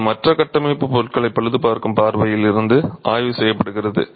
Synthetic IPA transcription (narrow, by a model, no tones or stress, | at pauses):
mɐʈrɐkɐʈːɐmeːpːɯpɔɾʈ̚kɐɭɐɪpːɐɭɯðɯpaːɾkɯmpaːɾʋɐjɪlɪɾɯnd̪ɯʔaːjʋɯsɛjːɐpːɐɽɯɣɪrɐðɯ̰